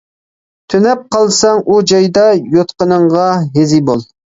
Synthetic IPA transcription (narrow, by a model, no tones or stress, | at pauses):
t̪ʰønɛp̚qɑlˠsɑŋʔud͡ʒɑjd̪ɑjot̪qənəɴʁɑɦezibolˠ